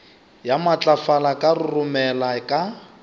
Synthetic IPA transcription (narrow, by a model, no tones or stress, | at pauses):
jamat͡ɬʼafalakʼarʊrʊmɛlakʼa